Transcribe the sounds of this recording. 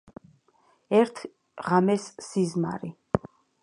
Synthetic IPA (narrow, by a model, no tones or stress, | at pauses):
ɛɾt̪ʰ | ʁamɛsːizma̰ɾi